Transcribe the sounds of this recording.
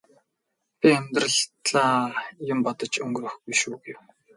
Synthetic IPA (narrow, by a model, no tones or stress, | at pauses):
pʲiemt̪rə̆ɮt̪ɮaːjʊmpɔt̪ə̆t͡ɕɵŋɡɵrɵ̆xɡujʃuːɡew